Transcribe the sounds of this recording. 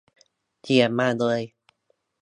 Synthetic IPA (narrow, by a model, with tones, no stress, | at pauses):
t͡ɕi˨˩əmaː˧˩lɤː˧j